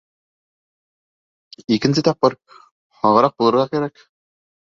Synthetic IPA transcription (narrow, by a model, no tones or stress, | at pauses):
ikɘ̆nsɘt̪ɑp̚ːɤɾ | hɑʁɤ̆ɾɑq̚bulˠɤ̆ɾʁɑkæɾæk